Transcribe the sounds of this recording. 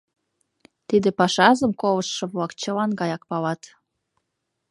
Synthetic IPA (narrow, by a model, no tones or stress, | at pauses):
t̪id̪ĕpɑʃɑzəmkoβəʃːɤ̆βlɑkt͡ɕə̆lɑnɡɑjɑk̚pɑlɑt̪